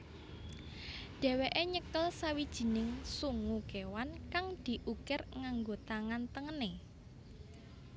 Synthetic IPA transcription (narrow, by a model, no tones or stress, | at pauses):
ɖ̥ɛ̤weʔeɲəkəlsawid̥ʒ̥i̤nɪŋsuŋukewankaŋd̪̥i̤ʔukɪrŋaŋɡot̪aŋant̪əŋəne